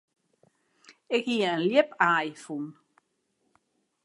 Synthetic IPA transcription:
ɪkhiːəənljepaːjfun

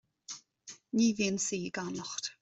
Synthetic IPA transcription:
nivinsiːɡanɔχt

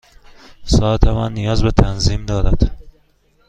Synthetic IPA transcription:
sɒːt̪ʰemænːijɒːzbet̪ʰænziːmd̪ɒːɾæd̪̥

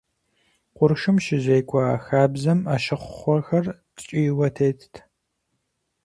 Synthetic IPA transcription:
qʷʊɾʃɨmʃɪʑejkʷʰʼɔaxaːbzɐmaːʃɪχʷχʷɔxɐr | t͡ʃʼiwɐtʰeːjtʰtʰ

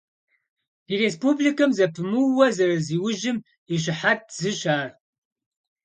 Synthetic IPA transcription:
irespublikʰɨmzɐpʰɨmɨwɐzɐɾɐziːwʊʒɪm | iɕ̬ɪħat̚z̥ɨɕaːr

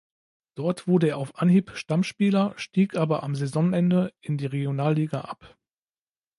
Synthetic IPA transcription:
d̥ɔɐtv̥ʊɐdəeːɐaʊfʔanhiːpʃtamʃpiːlɐʃtiːkʔaːbɐʔamzɛzɔŋʔɛndəʔɪndiːʁeɡjonaːlːiːɡaʔap

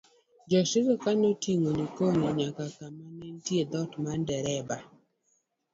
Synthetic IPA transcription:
d͡ʒɔsɪɡɔkanotiŋonikoɲiɲakakamanɛntjed̪ɔtmandɛɾɛba

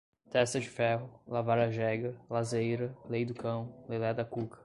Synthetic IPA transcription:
t̪ɛst̪ɐd͡ʒɪfɛɦʊlavaɾɐʒɛɡɐlazejɾɐlejd̪ʊkɐ̃w̃lelɛd̪ɐkukɐ̥

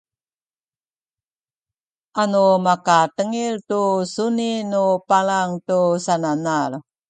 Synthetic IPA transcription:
ʔanumakatəŋiltusuninupalaŋtusananar

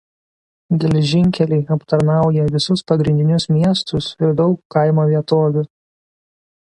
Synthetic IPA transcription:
ɡʲɛlʲɛʒʲɪŋʲˑkʲɛlʲɛɪɐpt̪ɐɾnɑˑʊjɛʋʲɪsʊspɐɡɾʲɪnʲd̪ʲɪnʲʊsmʲiɛst̪ʊsɪɾd̪ɒʊkːɐˑɪmoːʋʲiɛt̪oːʋʲʊ

